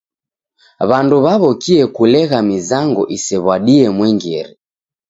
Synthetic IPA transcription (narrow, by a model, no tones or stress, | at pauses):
βanduβaβɔkiɛkulɛɣamizaŋɡɔʔisɛβwaɗiɛmwɛŋɡɛɾi